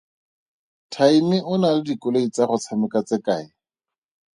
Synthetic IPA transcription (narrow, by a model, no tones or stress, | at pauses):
tʰaimɪʔʊnalɪdikʼʊloit͡saχʊt͡sʰamɪkat͡sɪkaɪ